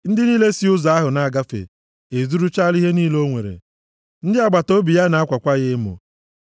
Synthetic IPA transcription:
n̩˦dɪ˦niː˦le˦si˦ʊ˦za˨a˦ɦʊ˨na˨a˨ɡa˦fḛ˨ | e˨zu˦ɾu˦t͡ʃa˦li˦ɦe˦niː˦lo˦ŋʷḛ˨ɾḛ˨ | n̩˦dɪ˦a˨ɡ͡ba˨to˦bi˨ja˦na˨a˦kʷa˨kʷa˦ɣɪ˦mʊ̰˨

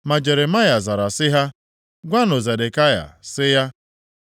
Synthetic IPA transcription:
ma˨d͡ʒe˨ɾe˨ma˦ja˨za˨ɾa˨sɪ˦ɦa˦ | ɡʷa˦nʊ˨ze˨de˨ka˦ja̰˨sɪ˦ja˦

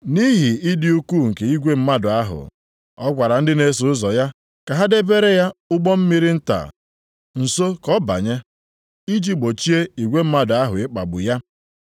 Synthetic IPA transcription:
ni˦ɦi˨i˦dɪ˦u˦ku˦˨ŋ̩˨ke˨i˦ɡʷe˦m̩˦ma˦dʊ˨a˦ɦʊ̰˨ | ɔ˦kʷa˨ɾa˨n̩˦dɪ˦ne˦sʊ˨ʊ˦zɔ˨ja˦ | ka˨ɦa˦de˦be˦ɾe˦ja˦ʊ˦ɡ͡bɔ˦m̩˦mi˦ɾi˦n̩˦ta̰˨ | n̩˨so˦kɔ˦ba̰˨ɲe˦ | i˦d͡ʒi˦ɡ͡bo˨t͡ʃi˦e˦i˨ɡʷe˦m̩˦ma˦dʊ˨a˦ɦʊ˨ɪ˦k͡pa̰˨ɡ͡bʊ̰˨ja˦

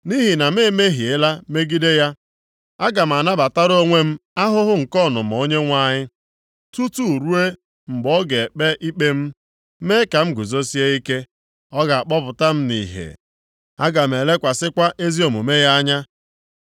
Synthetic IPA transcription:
ni˦ɦi˨na˨m̩˦e˦˨me˦ɦi˨e˦la˦me˦ɡi˦de˦ja˦ | a˦ɡa˨m̩˨a˨na˦ba˨ta˦ɾo˦ŋʷe˦m̩˦a˦ɦʊ˦ɦʊ˦ŋ̩˨kɔ˦˨nʊ̰˨m̩˨o˦ɲe˦ŋʷa˦˨ɲɪ˦ | tu˦tu˦˨ɾu˦e˦ | ŋ͡m̩˨ɡ͡bɔ˦ɡe˨k͡pe˦ʔi˦k͡pe˦m̩˦ | me˦ka˨m̩˦ɡu˨zo˦si˦e˦i˦ke˦ | ɔ˦ɡa˨a˨k͡pɔ˦pʊ˨ta˦m̩˦nḭ˨ɦḛ˨ | a˦ɡa˨m̩˨e˨le˦kʷa˨sɪ˦kʷa˦ʔe˦zi˦o˨mu˨me˦ja˦ɲa˦

